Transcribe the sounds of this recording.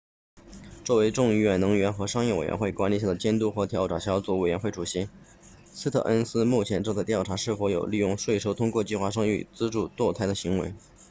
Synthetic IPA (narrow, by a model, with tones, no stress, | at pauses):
t͡swɔ˥˩we˧˥ɪʈ͡ʂʊ˥˧ŋi˧˥ɥɛ˨˩nɤ˧˥ŋɥɛ˧˥nxɤ˧˥ʂɑ˥ŋjɛ˥˩we˨˩ɥ̰ɛ̰˧˥xwe˥˩ɪkwa˧˥nli˧ɕ̬ja˥˩d̪ə˩t͡ɕjɛ˥nt̪u˥xɤ˧˥t̪ʰjɑ˧˥ʊʈ͡ʂwa̰˨˩ɕjɑ˧˥ʊt͡sɔ˧˥we˨˩ɪɥɛ˧˥nxwe˥˩ɪʈ͡ʂʰu˨˩ɕi˧˥ | sɹ̩˥t̪ʰɤ̰˥˩ʔə˥nsɹ̩˥mu˥˩t͡ɕʰjɛ˧˥nʈ͡ʂɤ˥˧ŋt͡sa˥˧ɪt̪jʊʈ͡ʂʰa˧˥ʂɻ̩˥˩fwɔ˧˥jo˨˩ʊli˥˧jʊ˥˧ŋʂwe˥˩ɪʂo˥ʊt̪ʰʊ˥ŋkwɔ˥˧t͡ɕi˥˧xwa˥˩ʂ̬ɤ˥ŋy̰˥˩t͡sɹ̩˥ʈ͡ʂu˥˩t̪wɔ˥˧t̪ʰa˥ɪd̪ə˧ɕi˧˥ŋwḛ˧˥ɪ